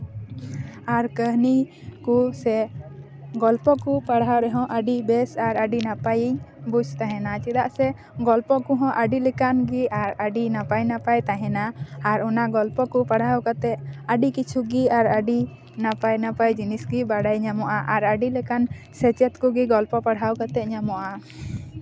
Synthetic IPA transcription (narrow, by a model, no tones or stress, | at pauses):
aɾkəɦni | kusɛ | ɡɔlpɔkupaɽɦaɾɛɦɔ̃ʔəɖibɛsaɾəɖinapajiɲbud͡ʒʱt̪aɦɛ̃nat͡ʃid̪aʔsɛ | ɡɔlpɔkuɦɔ̃ʔəɖilɛkanɡiaɾəɖinapajnapajt̪aɦɛ̃naːɾɔnaɡɔlpɔkupaɽ̤awkat̪ɛt̪̚əɖikit͡ʃʰuɡiaɾəɖi | napajnapajd͡ʒinisɡibaɽajɲamɔʔaʔaɾəɖilɛkan | sɛt͡ʃɛt̪kuɡiɡɔlpɔpaɽɦawkat̪ɛʔ̪̚ɲamɔʔa